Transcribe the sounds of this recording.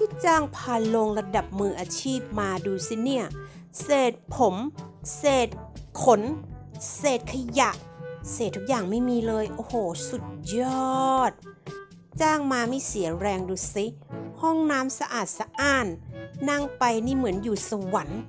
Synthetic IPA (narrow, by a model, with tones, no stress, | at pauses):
t̪ʰiː˧˥˩t͡ɕaː˧˩ŋpʰaː˧lo˧ŋla˧da˨˩p̚mɯː˧ʔaː˧t͡ɕʰiː˥˩p̚maː˧duː˧si˧˩ni˥˩ɐ | seː˨˩t̪̚pʰo˩˦mseː˨˩t̪̚kʰo˩˦nseː˨˩t̪̚kʰa˧ja˧˩ʔseː˨˩t̪ʰːu˦˥k̚jaː˨˩ŋma˥˩jmiː˧lɤː˧jʔoː˧hoː˨˩su˨˩t̪̚jɔ˧˦˥t̪̚ | t͡ɕaː˧˥˩ŋmaː˧miː˧˥˨si˩˦ɐɾɛː˧ŋduː˧si˦˥hɔ˥˩ŋnaː˦˥msa˧ʔaː˨˩t̪̚sa˧ʔaː˧˩nːa˧˥˩ŋpa˧jni˧˥˩mɯ˩˦ənjuː˨˩sa˧wa˨˩˦n